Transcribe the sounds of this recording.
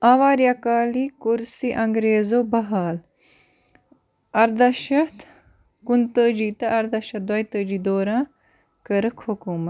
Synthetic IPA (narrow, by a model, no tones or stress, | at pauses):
aːʋaːɾjaːkaːliːkuɾsiʔɐŋɡɾeːzoːbɐɦaːl | ɐɾd̪ɐʃɐt̪ | kunt̪əːd͡ʒiːt̪ɐʔɐɾd̪ɐʃɐd̪wɐjt̪əːd͡ʒiːd̪oːɾãː | kəɾəkʰukuːmɐ